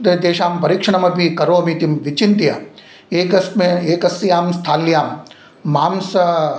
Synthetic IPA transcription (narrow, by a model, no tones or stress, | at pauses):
t̪ed̪eːʃaːmpɐɾikʂɐɳ̃ɐmɐpikɐɾoːɐmit̪imʋit͡ʃint̪ija̰ː | eːkɐsmeeːkɐsjaːmst̪ʰaːljaːmː | aːmsɐ